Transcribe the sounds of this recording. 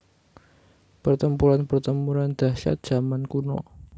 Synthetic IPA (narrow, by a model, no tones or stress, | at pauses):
pərt̪əmpuɾanpərt̪əmuɾand̪̥a̤ʃa̰t̪̚ʒ̥a̤mankunɔ̰